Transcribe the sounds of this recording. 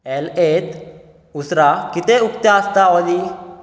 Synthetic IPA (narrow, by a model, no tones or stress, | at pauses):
ɛlet̪ | usɾakit̪eukt̪aəst̪aɔli